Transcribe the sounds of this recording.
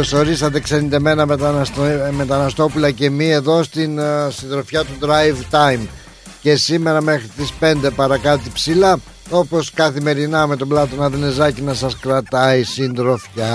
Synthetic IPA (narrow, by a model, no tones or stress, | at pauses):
oso̞ɾisɐt̪̬e̞ksenid̪eme̞nɐmet̪ɐsme̞t̪ɐnɐst̪o̞pulɐce̞mie̞ðo̞st̪insind̪ɾo̞fçɐt̪ud̪ɾɐjvt̪ɐjm | ce̞sime̞ɾɐme̞xɾit̪ispe̞nd̪e̞pɐɾɐkɐt̪ipsilɐ | o̞po̞skɐθime̞ɾinɐme̞t̪o̞blɐt̪o̞nɐðinezɐcinɐsɐskɾɐt̪ɐisind̪ɾo̞fçɐ